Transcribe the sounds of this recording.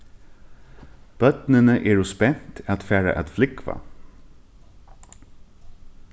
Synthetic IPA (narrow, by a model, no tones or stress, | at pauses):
b̥œt̪nənəʔeːɹʊspɛn̥t̪at̪fæːɹa̰ʔa̰t̪flɪkva̰